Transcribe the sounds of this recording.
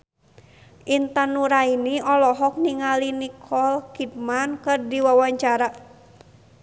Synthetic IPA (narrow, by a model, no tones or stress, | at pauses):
ʔint̪anuɾainiʔɔlɔɦɔk̚niŋalinikʰɔlkid̚mankɨrdiwawaɲt͡ʃaɾa